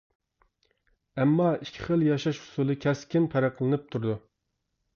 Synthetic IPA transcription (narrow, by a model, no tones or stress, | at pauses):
ɛmːɑikʲʰɪ̥χəlˠjɑʃɑʃhʊ̥sulˠɨkʲʰɛskʲɪnpʰæɾæqʰlˠɨnɨp̚t̪ʰuɾud̪u